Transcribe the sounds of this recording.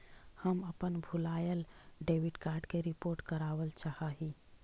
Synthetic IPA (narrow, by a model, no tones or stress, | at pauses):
həməpənbʱulajəlɖeʋiɖkaɾɖkeɾipoɾʈkəɾaʋəlt͡ʃahəɦi